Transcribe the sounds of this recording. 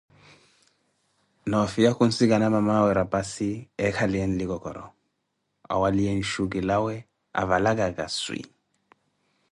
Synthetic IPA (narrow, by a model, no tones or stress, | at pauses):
naɔfijakun̩siɡanamamawɛɾapasiɛkaliɛnliɡɔkɔ̰ɾɔ̰ | a̰waliɛn̩ʃuɡilawɛ | a̰valaɡaɡaswḭ